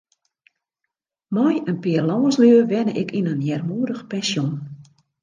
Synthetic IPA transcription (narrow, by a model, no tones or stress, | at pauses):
mɔjənpiərlɔːəsløːʋɛnəʔɪkʰinənjɛrmuədəxpɛnsjon